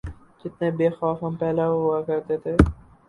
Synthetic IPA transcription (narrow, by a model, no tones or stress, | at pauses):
d͡ʒɪt̪nebeːxɔːfɦɐmpɛːlaɦɦʊakɐɾt̪et̪ʰe